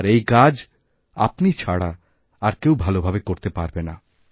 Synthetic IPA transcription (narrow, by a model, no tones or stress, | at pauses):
ɾejkad͡ʑ | a̰pnit͡ɕʰaɽa | aɾkewbʱalobʱabekoɾt̪epaɾbena